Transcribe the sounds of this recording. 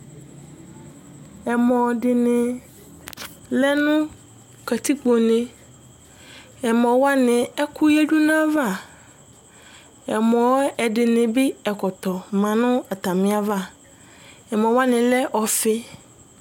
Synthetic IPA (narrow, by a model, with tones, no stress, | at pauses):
ɛ˨mɔ̃˨ɖɪ˨nɪ̃˨ | lɛ˦nʊ̃˦ | kɛ˨t̪i˦k͡po˨nẽ˨ | ɛ˨mɔ̃˨wa˦nɪ̃˨ɛ˦ku˦je˦d͡ʒu˦nã˦va˦˨ | ɛ˨mɔ̃˨˦ɛ˨ɖɪ˨nɪ̃˨bɪ˦ɛ˨kɔ˨t̪ɔ˨mã˨nʊ̃˦a˨t̪a˨mɪ̃˨a˨va˦˨ | ɛ˨mɔ̃˨wa˦nɪ̃˨lɛ˦ʔɔ˨fe˦